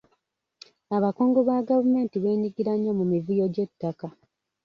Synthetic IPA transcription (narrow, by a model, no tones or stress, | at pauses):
aβako̞ːŋɡo̞βaːɡavume̞ːntiβe̞ːɲiɡiɾaɲːomumivujoɟe̞tːaka